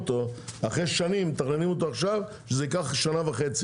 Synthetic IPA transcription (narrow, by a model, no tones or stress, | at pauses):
t̪o̞aχʁeʃanimt̪aχnenimot̪oaχʃav | ʃezeikaχʃanavaχet͡si